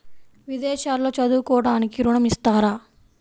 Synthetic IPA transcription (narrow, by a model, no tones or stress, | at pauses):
ʋid̪ɛːʃaːlːo̞ːt͡ʃɐd̪uːkɔːɐɽaːnikiɾuɳɐmist̪aːɾaː